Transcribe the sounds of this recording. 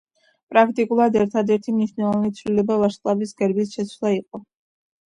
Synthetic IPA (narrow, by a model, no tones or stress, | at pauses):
pʼɾakʰt̪ʼikʼulˠad̪ɛɾt̪ʰad̪ɛɾt̪ʰimniʃnɛlˠɔvanit̪sʰvlilɛbavaʃqʼlˠavisɡɛɾbisʃɛt̪sʰwlˠaiqʼɔ